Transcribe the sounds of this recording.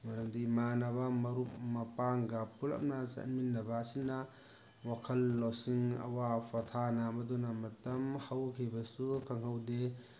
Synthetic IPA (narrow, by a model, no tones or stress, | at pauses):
mɐɾɐmdimanɐbɐmɐɾup̚mɐpaŋɡɐpulɐ̰m̚nɐt͡ʃɐ̰nminːɐbɐːsinːɐ | wakʰɐlːosiŋɐ̰wapʰɐtʰanɐːmɐdunɐmɐtɐmhawkʰibɐsukʰɐŋɦɐwde